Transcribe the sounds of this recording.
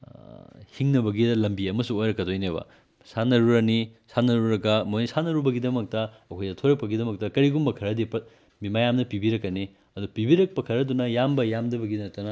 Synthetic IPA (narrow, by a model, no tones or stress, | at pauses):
hiŋnɐbɐɡidɐlɐmbiɐmɐsuojɾɐkːɐdojneβɐ̰ | sanɐɾuɾɐnisanɐɾuɾɐɡɐmojnisanɐɾubɐɡidɐmɐk̚tɐɐkʰojdɐtʰoɾɐk̚pɐɡidɐmɐk̚tɐkɐɾiɡumbɐkʰɐɾɐdipɐ | bimajamnɐpibiɾɐkːɐni | ɐdupibiɾɐk̚pɐkʰɐɾɐdunɐjambɐjamdɐbɐɡidɐnɐtɐnɐ